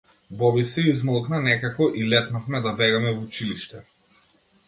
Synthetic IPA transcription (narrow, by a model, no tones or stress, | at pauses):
bɔbisɛizmɔlˠknanɛkakɔʔilɛt̪nafmɛd̪abɛɡamɛvut͡ʃiliʃt̪ɛ